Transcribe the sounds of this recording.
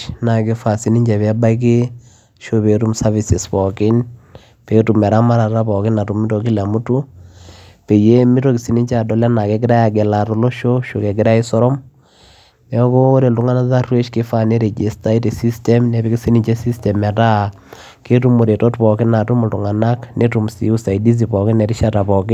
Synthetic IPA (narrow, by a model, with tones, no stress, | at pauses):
na˨kɪ˦fa˨si˦ni˦ɲd͡ʒɛ˨pɛ˦ba˦k̬ɪ˦ | ʃo˦pe˨tu˦msa˦vi˨sɪ˨spɔ˨kɪ˦n | pe˨tu˨mɛ˨ɾa˦ma˦ɾa˨ta˦pɔ˨kɪ˦na˨tu˨mɪ˦to˨ki˦la˨mu˦tu˦ | pe˨je˦mɪ˦to˦kɪ˨si˦ni˦t͡ʃa˨dɔ˨la˦na˨kɛ˨k̬ɪ˦ɾa˦ja˨ɡɛ˨la˨tɔ˨lo˦ʃo˦ʃo˨kɛ˨ɡɪ˦ɾa˦ɪ˦sɔ˦ɾɔ˦m | ɛ˦koː˦ɾe˨ltu˦ŋa˦na˦sa˦rwe˦t͡ʃke˦fa˦ne˦ɾe˨d͡ʒe˨sta˦i˦te˨si˦stɛ˦mnɛ˨pe˦ki˦si˦ni˨t͡ʃe˦si˦stɛ˨mɛ˨ta˦ | ke˦tu˦mo˨ɾe˨tɔ˦tpɔ˨kɪ˦na˨tu˦mo˨ltu˨ŋa˨na˦kne˦tu˨msḭ˦u˦sa˨i˨di˦s̬i˨pɔ˨kɪ˦nɛ˨ɾi˦ʃa˦ta˨pɔ˨kɪ˦n